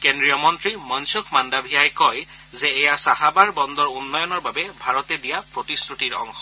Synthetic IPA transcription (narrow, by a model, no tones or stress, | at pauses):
kendɹijɔmɔntɹimɔnsukʰmandabʱiajkɔj | zeːjasaɦabaɹbɔnd̪ɔɹunːɔjɔnɔɹbabebʱaɹɔt̪ed̪ijapɹot̪istʰuʈiɹɔ̰ŋxɔ̥